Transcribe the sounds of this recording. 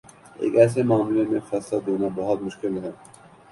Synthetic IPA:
ḛːkɛːs̬emaːmlemẽfɛːslad̪eːnabɐɦʊt̪mʊʃkɪlɦɛː

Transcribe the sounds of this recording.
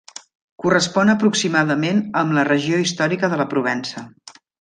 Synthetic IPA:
kurəspɔnəpɾuksimaðəmenəmlərəʒioist̪ɔɾikəðələpɾuβ̞ɛnsə

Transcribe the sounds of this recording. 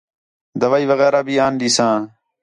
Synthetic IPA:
d̪əʋaːiːʋəɣɛːɾaːbʱiːaːnɗiːsãː

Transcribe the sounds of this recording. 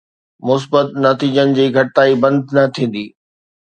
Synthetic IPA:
mʊs̬bət̪̚nɐt̪iːd͡ʑənɪ̆d͡ʑiːɡʱɐʈɪt̪aːibɐ̃nd̪nɐt̪ʰĩːn̆d̪iː

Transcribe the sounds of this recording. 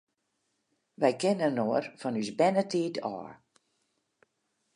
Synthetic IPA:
ʋɛjkɪnənoərfɔnysbɛnətʰiːtʰɔ̰ː

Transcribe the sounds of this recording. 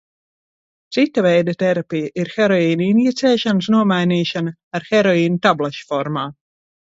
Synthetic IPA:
t̪sit̪ːaʋɛjd̪at̪ɛɾapijəʔiɾxɛɾɔiːninvʲit̪sɛːʃɔnsnuɔmajniːʃɔna | aɾxɛɾɔiːnt̪ablˠaʃfɔɾmaː

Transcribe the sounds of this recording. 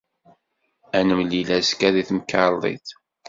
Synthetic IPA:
ænəmlilæskæðiθməkːalˤːḭθ

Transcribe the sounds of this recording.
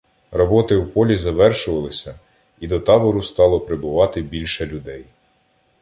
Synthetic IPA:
rɔbɔt̪ɪwpɔlʲizɐʋɛrʃʊʋɐlˠɪsʲɐ | id̪ɔt̪ɑbɔɾʊst̪ɑlˠɔpɾɪbʊʋɑt̪ɪbʲilʲʃɛlʲʊd̪ɛj

